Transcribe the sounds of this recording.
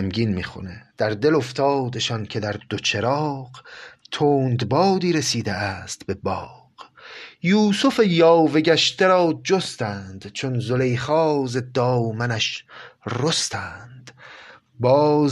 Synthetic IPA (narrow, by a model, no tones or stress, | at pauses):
mɡiːnmiːxo̰ned̪̥æɾd̪e̞lo̞ft̪ʰɒːd̪e̞ʃɒncʰe̞d̪æɾd̪ot͡ʃʰe̞ɾɒːqt̪ʰoːnd̪bɒːd̪iːɾe̞siːd̪eæːst̪be̞bɒːqjuːsofejɒːve̞ɡæʃt̪eɾɒːd͡ʒost̪ænd̪̥t͡ʃʰonzole̞jχɒːze̞d̪ɒːmænæʃrost̪ʰæːnd̪̥ | bɒːz